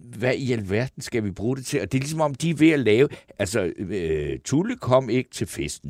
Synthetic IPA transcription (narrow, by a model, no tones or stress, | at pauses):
ʋæiælʋæɐ̰d̥n̩sɡ̥æʋib̥ʁuːd̥e̝t͡sʰe̝ɒ̽d̥e̝lisɒ̽mɒ̽md̥iʋe̝ælɛːʊʔælsɒ | t͡sʰuləkʰɒ̽m̰e̝ɡ̥ə̥t͡sʰe̝lfesd̥n̩